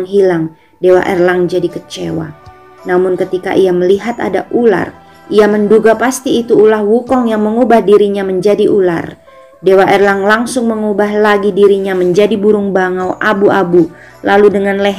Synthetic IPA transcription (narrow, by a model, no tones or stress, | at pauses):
ŋɦilaŋ | dewa̰ʔɛrlaŋd͡ʒadikət͡ʃewa̰ | namʊnkət̪ika̰ʔiaməliɦat̪a̰da̰ʔula̰r | iamənduɡapast̪iːt̪uːlahwukɔŋjaŋməŋubahdiɾiɲaməɲd͡ʒadiʔula̰r | dewaʔɛrlaŋlaŋsʊŋməŋubahlaɡidiɾiɲaməɲd͡ʒadibuɾʊŋbaŋawʔabuʔabu | laludəŋanlɛ